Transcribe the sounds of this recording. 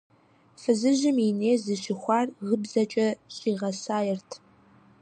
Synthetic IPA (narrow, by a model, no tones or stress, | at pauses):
fɨzɨʒɪmineːzɨʃɪxʷɑːrʁəbzɐt͡ʃʼɐɕʼiːʁɐsaːjɛrtʰ